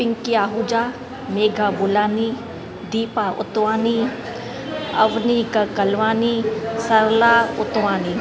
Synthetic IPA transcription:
pɪŋkiaːɦud͡ʒaː | meːɡʱabʊlaːni | d̪iːpaʔʊ̰t̪waːni | ɐ̰ʋnikakɐlʋaːnisɐɾlaːʊt̪ʋaːni

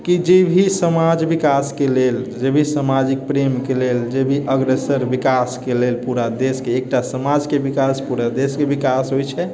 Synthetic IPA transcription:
kid͡ʒebʱisəmad͡ʒbikaskeleld͡ʒebʱisəmad͡ʒik̚pɾemkeleld͡ʒebʱiʔəɡɾesəɾʋikaskelelpuɾad̪eskeːk̚ʈasəmad͡ʒkebikaspuɾad̪eskebikasɦojt͡ʃʰɛ

